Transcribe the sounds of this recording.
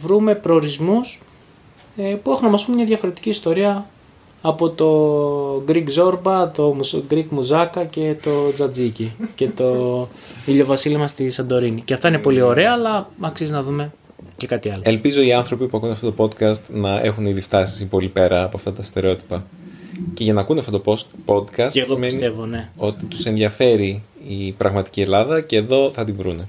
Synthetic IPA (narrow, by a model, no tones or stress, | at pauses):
vɾume̞pɾoːɾizmus | pue̞xunɐmɐspumɲɐðʝɐfo̞ɾe̞t̪i̥ciːst̪o̞ɾiɐː | po̞t̪o̞ɡɾiɡzo̞ɾbɐt̪o̞muɡɾikmuzɐkɐce̞t̪o̞d͡zɐd͡zicice̞t̪o̞ | iʎo̞vɐsilimɐst̪isɐnd̪o̞ɾiniceɐft̪ɐinepo̞lio̞ɾe̞ɐːlɐɐksizinɐðume̞ | ce̞kɐt̪iɐloe̞lpizo̞iɐnθɾo̞pipuɐkuneɐft̪ot̪opo̞d̪kɐst̪nɐʔe̞xuniðift̪ɐsi̥sipo̞lipeɾɐːpoɐft̪ɐt̪ɐst̪e̞ɾeo̞t̪i̥pɐ | ce̞ʝɐnɐkuneɐft̪ot̪opopo̞d̪kɐsteɣomeinsit̪evo̞ne̞o̞t̪it̪u̥se̞nðʝɐfe̞ɾi | ipɾɐɣmɐt̪i̥cie̞lɐðɐce̞ːðo̞θɐt̪iɱvɾune̞